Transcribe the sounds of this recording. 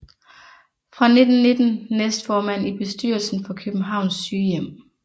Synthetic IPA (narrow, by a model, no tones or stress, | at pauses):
fʁɑ̈ne̝d̥n̩ne̝d̥n̩nesd̥fɒːmæn̰ib̥e̝sd̥yːɐlsn̩fɒ̽kʰøb̥̩ɦɑ̈ʊ̰nsːyːjem̰